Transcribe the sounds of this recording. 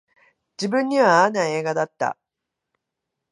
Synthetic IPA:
d͡ʑibɯ̟̃ɲ̟ːiβaːnːae̞ːɡad̪at̪ːa̰

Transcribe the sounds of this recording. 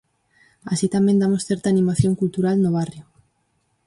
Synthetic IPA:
asit̪amẽnd̪amosθeɾt̪aːnĩmaθjoŋkult̪uɾalnoβ̞arjo

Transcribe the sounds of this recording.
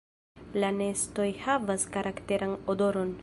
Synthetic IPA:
lanesto̞jhavaskaɾʔakteɾʔanodoɾo̞n

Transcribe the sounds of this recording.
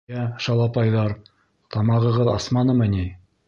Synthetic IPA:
æʃɑlˠɑpɑjðɑɾ | t̪ɑmɑʁɤ̆ʁɤðɑ̰smɑnɤ̆mɤ̆ni

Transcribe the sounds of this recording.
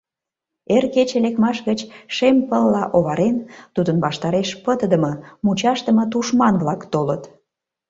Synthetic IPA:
erket͡ɕelekmɑʃɣət͡ɕʃempəlːɑʔoβɑɾent̪ud̪ənβɑʃt̪ɑɾeʃpət̪əd̪əməmut͡ɕɑʃt̪əmə̆t̪uʃmɑnβlɑkt̪olət̪

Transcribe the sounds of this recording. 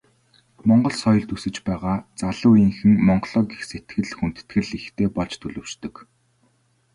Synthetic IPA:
mɔɴɢɞ̆ɮsɔjɞ̆ɮt̪usɘ̆t͡ɕpæːʁaːt͡saɮʊːiŋxɘ̆ŋmɔɴɢɮɔːɡixset̪̚ɡɘ̆ɮxun̥t̪ɘ̥̆t̪ɡɘ̆ɮixt̪ʰeːpɔɮt͡ɕt̪ʰɵɮɵ̆wʃt̪ɵ̆k

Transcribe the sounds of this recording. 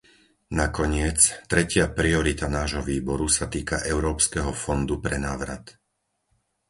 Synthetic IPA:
nakɔɲɪɛt͡st̪ɾɛcɪapɾiɔɾit̪anaːʒɦɔʋiːbɔɾusat̪iːkaʔɛʊɾɔːpskɛɦɔfɔnd̪upɾɛnaːʋɾat̪

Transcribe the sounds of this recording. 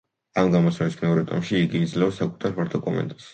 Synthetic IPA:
amɡamɔsavismɛɔɾɛt̪ʼɔ̰mʃiːɡiːd̪zlɛɔsakʼu̥t̪ʰaɾpaɾt̪ʰɔkʼɔmɛ̰nt̪ʼḁs

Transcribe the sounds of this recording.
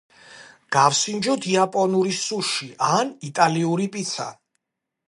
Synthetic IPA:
ɡ̥afsind͡ʒɔd̪iapʼɔnuɾisuʃiʔanit̪ʼaliuɾipʼit̪sʰa̰

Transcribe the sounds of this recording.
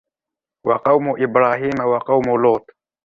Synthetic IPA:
waqɑwmʊʔɪbɾaːɦiːmawaqɑwmʊloːt̪

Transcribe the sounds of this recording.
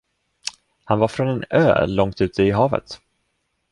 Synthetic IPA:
hanvaɾfɾɔnɛnø̰ːlɔŋt̪ʉ̟ːt̪ʰəɪɦɑːvə̰t̪

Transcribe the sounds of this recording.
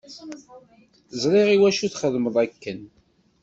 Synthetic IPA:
zˤɾˤiʁiwæʃuθχəðməðˤækːən

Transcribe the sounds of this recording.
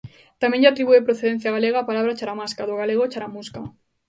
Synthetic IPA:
t̪amjẽɲʝat̪ɾiβuepɾoθeðen̟θjaɣaleɣaːpalaβ̞ɾat͡ʃaɾamaskaðoɣ̞aleɣ̞ot͡ʃaɾamuska

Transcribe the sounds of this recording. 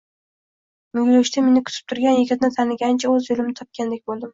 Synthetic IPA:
mʊɡʲɾoʃt̪ʰamenɪkʰʊ̥t̪ʰɪ̥p̚t̪ʰʊɾɡʲanjɪɡʲɪt̪nɪt̪ʰanɪɡʲant͡ʃʰaɵzjolɪmnɪt̪ʰɒp̚kʲʰand̪ekʲbolˠd̪ɪm

